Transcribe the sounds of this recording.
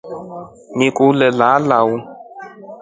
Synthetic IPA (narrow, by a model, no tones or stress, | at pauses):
nikulɛlalawu